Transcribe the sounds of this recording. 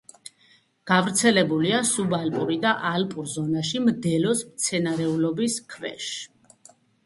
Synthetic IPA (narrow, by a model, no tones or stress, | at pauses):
ɡ̥avɾt̪sʰɛlɛbuliasubalpʼuɾid̪aʔalpʼuɾzɔnaʃimd̪ɛlɔsmt̪sʰɛnaɾɛulɔbiskʰvɛ̰ʃ